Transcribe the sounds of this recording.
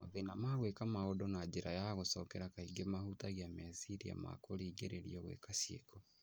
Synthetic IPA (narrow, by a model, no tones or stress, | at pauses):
moðenamaɣwekamaodɔnad͡ʒeɾajaɣosɔkɛɾakaiɡemahutaɣiameasiɾia̰ma̰koɾiːɡeɾeɾḭɔɣwḛkasiḛkɔ